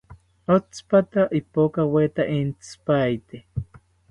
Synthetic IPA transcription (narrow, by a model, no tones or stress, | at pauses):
ot͡spat̪aʔipokawet̪aʔint͡spajt̪e